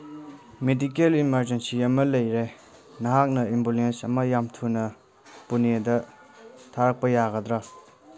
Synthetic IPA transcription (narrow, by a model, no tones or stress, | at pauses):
medikelimɐɾd͡ʒensijɐmɐlɐjɾe | nɐɦak̚nɐimbulensɐmɐjamtʰunɐ | punedɐ | tʰaɾɐk̚pɐjaɡɐd̪ɾa